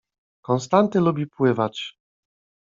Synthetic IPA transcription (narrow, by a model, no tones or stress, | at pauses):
kɔnst̪ant̪ɘlubʲipwɘvat͡ɕ